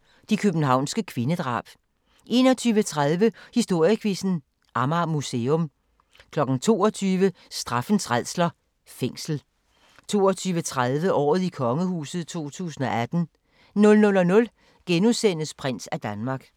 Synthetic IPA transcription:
d̥ikʰøb̥n̩ɦɑ̈ʊ̰nsɡ̥əkʰʋe̝nəd̥ʁɑ̰̈ːb̥ | ʔe̝nɒ̽t͡sʰyːʋət͡sʰʁað̞ˠʋəhisd̥o̝ɐ̰jəkʰʋisn̩ | ʔɑ̈mɑmuseːɔ̽m | kʰlɒ̽ɡ̥n̩t͡sʰo̝̰ːɒt͡sʰyːʋə | sd̥ʁɑ̈fn̩sʰʁað̰ˠslɐ | feŋ̰sl̩ | t͡sʰo̝̰ːɒt͡sʰyːʋət͡sʰʁaðˠʋəʔɒ̰ːð̞̩ˠikʰɒ̽ŋəhṵːsð̞̩ˠt͡sʰo̝̰ːt͡sʰṵːsn̩ɒ̽æd̥n̩ | nɔ̽lnɔ̽lɒ̽nɔ̽l | ɡ̥enusen̰əspʰʁan̰sæd̥ænmɑ̈ːɡ̥

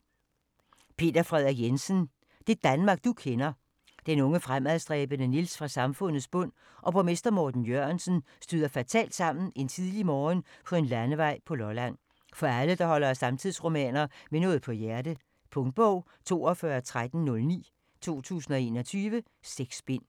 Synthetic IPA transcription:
pʰe̝̰ːd̥ɐfʁɛð̞̰ˠɐɡjensən | d̥e̝d̥ænmɑ̈ːɡ̥̚d̥ukʰenɐ | d̥enɔ̽ŋəfʁamæðˠsd̥ʁɛ̰ːb̥ənənilsfʁɑ̈sɑ̈mfɔ̽n̰ð̩ˠsb̥ɔ̽n̰ | ʔɒ̽b̥ʰʁome̝sd̥ɐmɒːd̥n̩jøɐnsən̩ | sd̥yð̰ˠɐfæt͡sʰɛ̰ːld̥sɑ̈m̰n̩e̝nt͡sʰið̞ˠlimɒːnpʰɒ̽e̝nlænəʋɑ̈ɪ̰pʰɒ̽lɒlæn̰ | fɒ̽æləd̥ɑ̈hɒ̽lɐsɑ̈mt͡sʰiðˠsʁo̝mɛ̰ːnɐmenɔ̽ːð̞̩ˠpʰɒ̽jæɐd̥ə | pʰɔ̽ŋd̥̚b̥ɔʊ̰ | t͡sʰo̝̰ːɒfɶɐt͡sʰʁad̥n̩nɔ̽lnḭː | t͡sʰo̝̰ːt͡sʰṵːsn̩ɒ̽e̝ːnɒ̽t͡sʰyːʋə | seɡ̥sb̥e̝n̰

